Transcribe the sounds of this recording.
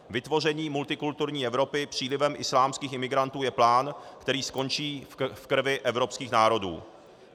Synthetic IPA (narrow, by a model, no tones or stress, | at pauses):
vɪt̪vo̞r̝ɛɲiːmult̪ɪkult̪uɾɲiːʔɛvɾo̞pɪpr̝̥iːlɪvɛmʔɪslaːmskiːxʔɪmɪɡɾant̪uːjɛplaːnkt̪ɛɾiːsko̞nt͡ʃiːfkr̩ɾ̩vɪʔɛvɾo̞pskiːxnaːɾo̞dṵː